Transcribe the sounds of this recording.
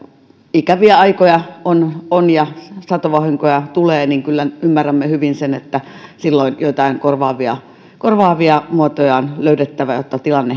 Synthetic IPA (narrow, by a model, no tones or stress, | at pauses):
ikæʋiæɑikojɑononjɑsɑt̪oʋɑhiŋkojɑt̪uleːniŋkylːænymːærːæmːehyʋinsenet̪ːæsilːoinjoit̪ɑiŋkorʋɑːʋiɑ̰ | korʋɑːʋiɑmuot̪ojɑonløydet̪ːæʋæjot̪ːɑt̪ilɑnːe